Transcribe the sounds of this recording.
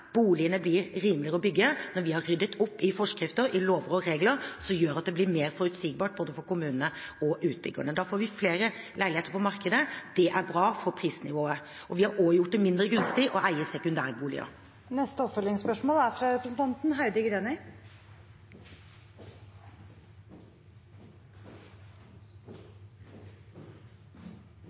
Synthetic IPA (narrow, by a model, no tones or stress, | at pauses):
b̥uːlɪənəblɪɾɾiːmlɪəɾəɔbʏɡːənɔɾʋɪhɑɾːʏd̪ət̪ʰʊpːɪfɔʂkɾɪft̪əɾɪloːʋɾɔɾeːɡləɾsɔjøːɾɑt̪̚d̪ɛblɪmeːɾfɔɾʉt̪siːɡ̚bɑːʈ̚boːd̪əfɔɾkʊmʉːnənəɔʔʉːt̪̚bʏ̰ɡə̰ɳəd̪ɑːfoːɾʋɪfleːɾə | læɪlɪeːt̪əɾpʰɔmɑɾkəd̪əd̪̥ɛʔæɾbɾɑːfɔɾpʰɾiːsnɪʋoːə | ʔɔʋɪhɑɾoːjʊʈ̚d̪ɛmɪnd̪ɾəɡɾʉnsp̪iʔɔʔæɪəsɛkʉnd̪æːɾəbuːlɪ̰ə̰ | nɛst̪əɔpfœlːɪŋspœʂmoːlæɾfɾɑɾɛpɾəsn̩t̪ʰɑnt̪n̩ɦæɪd̪əɡɾeːnə